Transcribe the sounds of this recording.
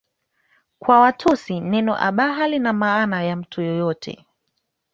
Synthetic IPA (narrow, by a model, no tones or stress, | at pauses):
kwawatʰɔsinɛnɔ̰ʔa̰ɓaɦalinamaːnajam̩tʰujɔjɔtʰɛ̰